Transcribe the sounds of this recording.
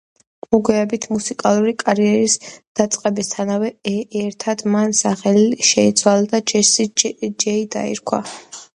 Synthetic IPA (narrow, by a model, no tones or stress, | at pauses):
mɔɡwɛːbit̪ʰmusikʼalˠuɾikʼaɾiɛɾisd̪̥at̪sʼqʼɛbist̪ʰanavɛːɾt̪ʰad̪mansaχɛliʃɛit̪sʰwalˠad̪ad͡ʒɛsid͡ʒɛid̪a̰ḭɾkʰwa̰